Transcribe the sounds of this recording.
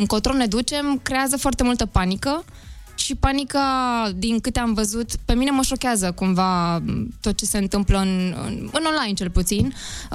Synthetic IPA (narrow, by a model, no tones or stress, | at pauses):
ɨŋkot̪ɾone̞d̪ut͡ʃe̞mkɾe̞azəfoart̪e̞mult̪əpanikə | ʃipanikad̪iŋkɨt̪eamvəzut̪pe̞mine̞məʃo̞kʲeazəkumvat̪o̞t̪̚t͡ʃe̞se̞ɨnt̪ɨmpləɨnɨ̰nɨno̞nlajnt͡ʃe̞lput̪sin